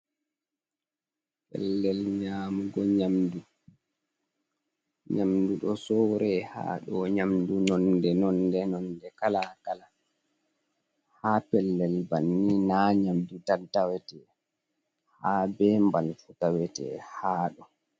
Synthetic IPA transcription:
pɛ̰lːɛlɲaːmuɡɔɲamdu | ɲamduɗɔsɔːɾɛha̰ːɗɔɲamdunɔndɛnɔndɛnɔndɛkalakala | hapɛlːɛlbanːinaɲamdutaltawɛtɛ | haːbɛmbalfutawɛtɛ̰haːɗɔ

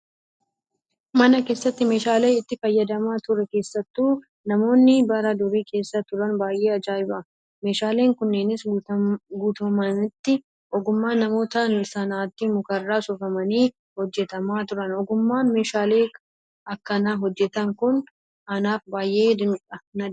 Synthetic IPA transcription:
mɐnɐke̞ːsːɐt̪ːɪme̞ːʃaːle̞ːɪt̪ːɪfɐjːɐd̪ɐmaːt̪ʊɾɛke̞ːsːɐt̪ːuː | nɐmo̞ːnːɪbɐɾɐd̪ʊɾiːkʰe̞ːsːɐt̪ʊɾɐnbaːjʔe̞ːɐd͡ʒaːjɪbɐ | me̞ːʃaːle̞ːŋkʊnːeːnɪs | ɡuːt̪ɐmɐnɪt̪ːɪ | ʔɔɡʊmːaːnɐmo̞ːt̪ɐsɐnaːt̪ːɪmʊkɐrːaːsʊfɐmɐniː | hɔd͡ʒːɛt̪ɐmaːt̪ʊɾɐnɔɡʊmːaːnme̞ːʃaːle̞ː | ɐkːɐnaːɦɔd͡ʒːɛt̪ɐŋkʊn | ɐnaːfbaːjʔe̞ːd̪ɪnkʼɐnɐ

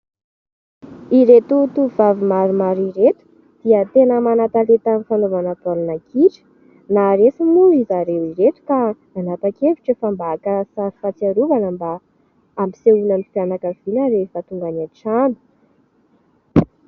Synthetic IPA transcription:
iɾet̪ut̪uvavimaɾumaɾiɾet̪u̥ | d̪̥iət̪enəmanat̪alet̪amifanovanəpolunakiʈ͡ʂə̥ | naɾesimulizaɾewiɾet̪u̥ka | anapakevi̥ʈ͡ʂəfambaːkəsaɾi̥fat͡siaɾuvanəmba | ambi̥seunamifjanakəv̥inəɾefət̪uŋɡanaʈ͡ʂanu̥

